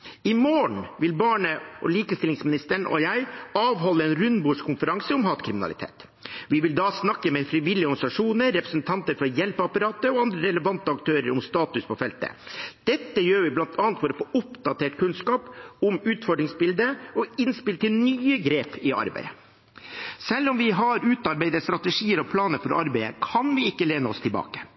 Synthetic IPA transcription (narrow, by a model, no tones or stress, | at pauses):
ɪmoːɳ̩ʋɪlbɑːɳəʔɔ̰liːkəst̪ɪlɪŋsmɪnɪst̪əɳʔɔ̰jæɪɑːʋɦɔlːəɛːnɾʉnbuːʂkʰʊnfəɾɑŋsəʊmhɑːt̪kʰɾɪmɪnɑ̰lɪ̰t̪ʰḛːt̪ | ʋɪʋɪld̪ɑːsnɑkːəmɛfɾɪʋɪlːɪəɔɾɡɑnsɑʂuːnəɾːɛpɾəsnt̪ʰɑnt̪əɾfɔɾjɛlpəɑpɑɾɑːt̪əɔɑnd̪ɾəɾɛləʋɑnt̪əɑkt̪ʰøːɾə̰ɾʊmst̪ɑːt̪ʉspʰɔfɛlt̪ə̰d̪̥ɛt̪ːəjøːɾʋɪblɑnt̪ʰɑːnt̪fɔɾɔfoːʔʊpd̪ɑt̪ʰeːʈkʰʉnskɑːpʊmʉːt̪fɔɖɾɪŋsbɪld̪əɔɪnspɪlt̪ːɪlnyːəɡɾeːpɪɑ̰ɾbæ̰ɪə | sɛlːɔmʋɪɦɑɾʉːt̪ɑɾbæɪd̪əst̪ɾɑt̪əʂiːəɾɔpʰlɑːnəɾfɔɾʔɑɾbæɪə̰kʰɑnʋɪɪkːəleːnəɔ̰st̪ʰɪlbɑ̰ːkə̥